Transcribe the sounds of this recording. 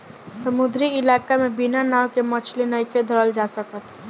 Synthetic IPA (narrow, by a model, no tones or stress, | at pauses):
səmʊd̪ɾiɪlaːkamẽbinanaːwkemɐt͡ʃʰlinəɪked̪ʱəɾəld͡ʒaːsəkət̪